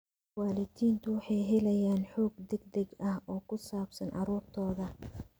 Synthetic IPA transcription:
waːlɪd̪iːnt̪ʰʊwɑħɑjɦɛlɐjaːnħɔːɡd̪ɛɡd̪ɛɡɐhɔːkʰʊsaːbsɐnʔɑ̰ɾuːrt̪ʰɔːðɐ

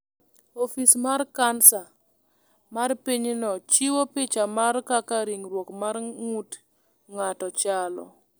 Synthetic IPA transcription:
ofismarkansa | marpiɲnɔt͡ʃiwopɪt͡ʃamarkakaɾiŋɾwokmaɾŋut | ŋatɔt͡ʃalɔ̰

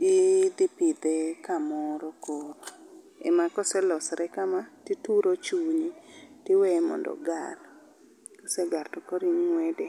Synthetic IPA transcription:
id̪ɪpid̪ɛkamɔɾɔkoɾ | ɛ̰makɔsɛlɔsɾɛkamatituɾot͡ʃuɲitɪwɛmɔ̰ndɔ̰ɡar | kɔsɛɡartɔkɔɾiŋŋwɛdɛ

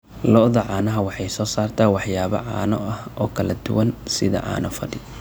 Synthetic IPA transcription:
lɔʔðɐʕɑːnɐɦɐwɑħɑjsɔːsaːrt̪ʰawɑħjaːβɐ̰ʕɑ̰ːnɔʔɐhɔːkʰɐlɐd̪ʊ̰wɐnsɪðɐ̰ʕɑ̰ːnɐfɐɖɪ

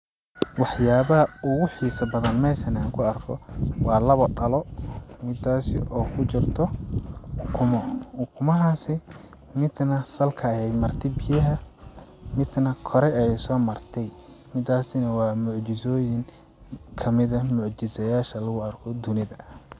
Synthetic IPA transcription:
wɑħjaːβɐɦɐʊɣʊħiːsɐbɐðɐnmɛːʃɐnaːŋkʰʊɐrkʰɔwɑːlɐβɔɖɐlɔmɪd̪ːaːsɪ̰ʔɔːkʰʊt͡ʃɪrt̪ʰɔ | ʊkʰʊmɔʊkʰʊmɐɦasɪ | mɪd̪nɐsɐlkʰɐhɛjmɐrt̪ʰɛbɪjɐɦɐ | mɪd̪nɐkʰɔɾɛɛɛjsɔːmɐrt̪ʰɛj | mɪd̪aːsɪnɐwɑːmʊʕt͡ʃɪsɔːjɪŋ | kʰɐmɪðɐmʊʕt͡ʃɪsɐjaːʃɐlɐɣʊɐrkʰɔd̪ʊnɪðɐ

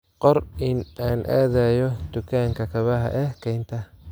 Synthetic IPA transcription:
qɔɾɪnaːnʔɛ̰ːðɛːjɔd̪̥ʊkʰaːŋkʰɐkʰɐβɐɦɐ̰ʔɛhkʰɛjnt̪ʰɐ

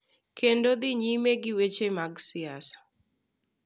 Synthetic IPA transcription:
kʰendod̪ɪɲimeɡɪwet͡ʃemaɡsɪasɔ̥

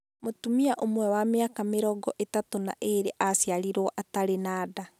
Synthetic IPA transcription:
motumiaʔomwɛwameakameɾɔɡɔʔetatona̰ʔeɾeʔasjaɾiɾɔʔataɾenaːda

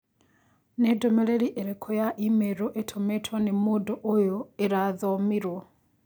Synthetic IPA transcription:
nedomeɾeɾiʔeɾekʰojaʔimeɾoʔetʰometʰwanemodoʔojoeɾaðomiɾwo

